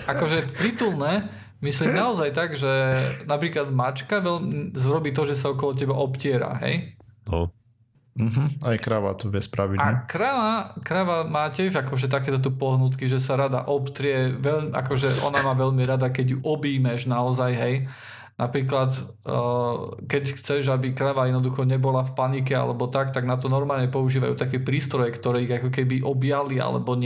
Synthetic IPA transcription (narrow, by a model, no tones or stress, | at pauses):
ʔakɔʒɛpɾit̪ulˠnɛ | misliːmnaɔzajt̪aɡʒɛnapɾiːklad̪mat͡ʃkaʋɛʎmizɾɔbiːt̪ɔʒɛsaɔkɔlɔc̬ɛbaʔɔpcɪɛɾa̰ɦɛ̰jnɔ̰ | m̩ɦm̩ajkɾaʋa̰t̪ɔʋɛspɾaʋiaikɾaʋakɾaʋamaːcɪɛʒakɔʒɛt̪̬ak̬ɛːt̪ɔt̪upɔɦnut̪kiʒɛsaɾad̪a̰ʔɔpt̪ɾɪɛʋɛʎmiʔa̰kɔʒɛʔɔ̰namaːʋɛʎmiɾad̪akɛɟjuʔɔbiːmɛʒnaɔzajɦɛj | napɾiːklat̪ː | kɛcxt͡sɛʒabikɾaʋajɛd̪nɔd̪uxɔɲɛbɔlafpanikɛa̰lɛbɔt̪akt̪aɡnat̪ɔnɔɾmaːlɲɛpɔuʒiːʋa̰jṵt̪akɛpɾiːst̪ɾɔjɛkt̪ɔɾɛːiɣakɔkɛbiʔɔbjalia̰lɛ̰bɔɲ